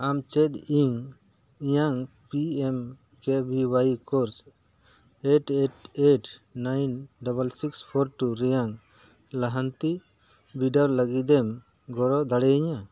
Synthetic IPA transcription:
amt͡ʃɛt̪iŋ | ijaŋ | piɛm | kɛbiwaikɔɾs | eʈeʈeʈnajnɖabalsikspʰɔɾʈuɾɛjaŋ | laɦant̪i | biɖaɾləɡid̪ɛm | ɡɔɾɔd̪aɽɛiɲa

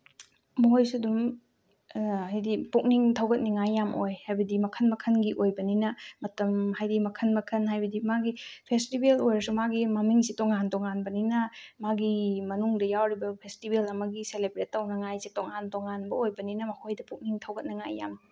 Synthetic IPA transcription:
mojsudum | ajdipuk̚niŋtʰɐwɡɐt̚niŋajːamʔojhajbɐdimɐkʰɐnmɐkʰɐnɡiʔojbɐninɐmɐtɐmhajdimɐkʰɐnmɐkʰɐnhajbɐdimaɡipʰestibelojɾɐsumaɡimɐmiŋsitoŋantoŋanbɐninɐmaɡimɐnuŋdɐjawɾibɐpʰestibelɐmɐɡiselebɾet̚ːɐwnɐŋajsitoŋantoŋanbɐojbɐninɐmɐkʰojdɐpuk̚niŋtʰɐwɡɐt̚nɐŋa̰jːa̰m

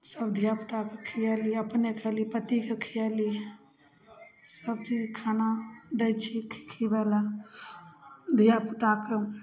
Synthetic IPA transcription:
səbd̪ʱijapət̪akekʰijɛliəpnekʰɛlipət̪ikekʰijɛli | səbt͡ʃid͡ʒkʰanad̪ɛt͡ʃʰikʰikʰibɛla | d̪ʱijaput̪ake

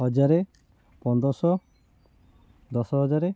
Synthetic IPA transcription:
ɦɔd͡ʒaɾe | pɔnd̪ɔsɔ | d̪ɔsɔɦɔd͡ʒaɾe

